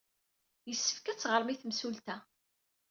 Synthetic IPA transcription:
jəsːə̥fkæt͡sːʁəɾˤmiθmsult̪æ

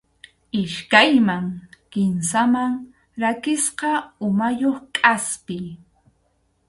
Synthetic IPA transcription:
ɪʃkajmaŋkɪnsamaŋ | ɾakɪsqɑʊmajoχkʼaspɪ

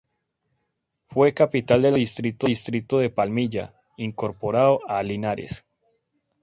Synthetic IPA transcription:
fwe̞kapit̪ald̪elðist̪ɾit̪oist̪ɾit̪oðe̞palmiʝa̰ | iŋko̞ɾpoɾaoalinaɾḛs

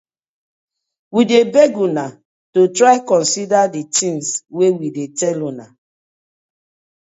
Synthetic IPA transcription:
widebeɡuna | totɾaɪkɔ̃nsidaditĩŋswewidetɛlɔna

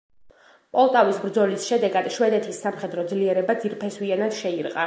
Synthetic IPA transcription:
pʼɔlˠt̪ʼavisbɾd̪zɔlisʃɛd̪ɛɡad̪̥ʃwɛd̪ɛt̪ʰisːamχɛd̪ɾɔd̪zliɛɾɛbad̪ziɾpʰɛswianad̪̥ʃɛiɾqʼa

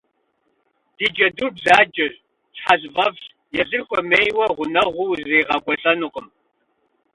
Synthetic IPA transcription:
d̥iːd͡ʒɐdurbzaːd͡ʒɐɕ | t͡ʃħazvɐvɕ | jɛzɨrxʷɔmeːjwɐʁʷʊnɐʁʷʊwzziːʁɐɡʷɔɬʼɐnʊqʼəm

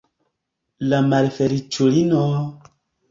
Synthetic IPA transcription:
lamalfɛɾit͡ʃolinɔ

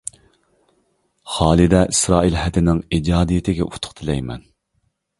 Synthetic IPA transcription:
χɑːlˠɪd̪ɛʔisɾɑːilhɛt̪ʰɪnɪŋid͡ʒɑːd̪ijɪt̪ʰɪɡʲɛʔut̪ʰʊ̥χt̪ʰɪlɛjmɛ̰n

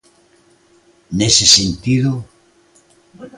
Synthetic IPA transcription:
nesɪsent̪iðʊ

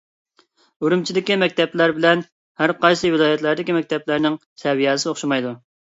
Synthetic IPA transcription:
uɾumt͡ʃʰid̪ɪkʲimɛk̚ʲt̪ɛplæɾbɪlɛn | hæɾqɑjsɨvɪlˠɑːjɛt̪læɾd̪ɪkʲimɛk̚ʲt̪ɛplæɾnɪŋsʰɛwijɛsɪoχʃumɑjd̪u

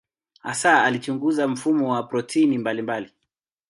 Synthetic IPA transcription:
a̰saalit͡ʃuŋɡuzam̩fumɔwapɾɔtʰinimbalimbali

